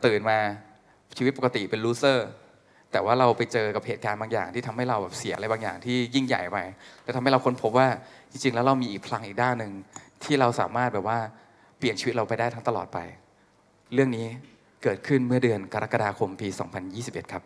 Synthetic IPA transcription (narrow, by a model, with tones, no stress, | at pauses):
t̪ɯː˨˩nmaː˧ | t͡ɕʰiː˧i˦˥t̪̚po˨˩ka˧t̪ḭ˨˩pe˧nluː˦˥sɤː˥˩ | t̪ɛː˨˩waː˥˩ɾa˧wpa˧jt͡ɕɤː˧ka˨˩p̚heː˨˩t̪̚kaː˧nbaː˧ŋja̰ː˨˩ŋt̪ʰiː˥˩˧mha˥˩jɾa˧wbɛː˨˩p̚si˨˩˦ʔa˧ɾa˧jbaː˧ŋja̰ː˨˩ŋt̪ʰiː˥˩ji˥˩ŋja̰˨˩jpa˧jlɛ˦˥t̪ʰma˥˩ɾa˧wkʰo˧npʰo˦˥p̚waː˥˩t͡ɕi˧ŋt͡ɕi˧ŋlɛ˦˥wɾa˧wmiː˧ʔiː˨˩k̚pʰla˦˥ŋʔiː˨˩k̚daː˥˩nːɯ˨˧ŋt̪ʰiː˥˩ɾa˧wsa̰ː˩˦maː˥˩t̪̚bɛː˨˩p̚waː˥˩ | pli˨˩ənt͡ɕʰiː˧˦˥t̪̚ɾa˧wpa˧jdaː˥˩jt̪ʰa˦˥ŋt̪a˧lɔ̰ː˨˩t̪̚pa̰˧j | ɾɯ˥˩əŋniː˦˥ | kɤː˨˩t̪̚kʰɯ˥˩nmɯ˥˩ɐdɯ˧ənka˧ɾa˦˥kːa˧aː˧kʰo˧mpiː˧sɔ̰ː˩˦ŋpʰa˧njiː˥˩si˨˩p̚ʔe˨˩t̪kʰa˦˥p̚